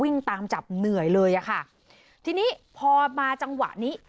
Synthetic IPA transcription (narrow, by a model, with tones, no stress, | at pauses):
wi˥˩ŋt̪aː˧mt͡ɕa˨˩p̚nɯ˨˩əjlɤː˧jʔa˨˩kʰa˥˩ | t̪ʰiː˧niː˦˥pʰɔː˧maː˧t͡ɕa˧ŋwa̰˨˩ʔniː˦˥